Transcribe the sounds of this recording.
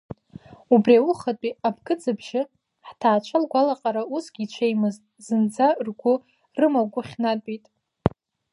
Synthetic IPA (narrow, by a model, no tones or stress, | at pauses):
ubrʲiawuχatʼiabɡɨd͡zɨbʒɪ | ħtʰaːt͡ʃʷʰalɡʷalaqʼaɾausɡʲiːt͡ʃʷʰejmɨz | zɨnd͡zarɡʷʊ | rɨmaɡʷʊχʲnatʷʼitʼ